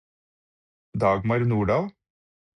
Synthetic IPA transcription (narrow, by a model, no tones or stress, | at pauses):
d̪ɑːɡmɑɾnuːɖɑːʋ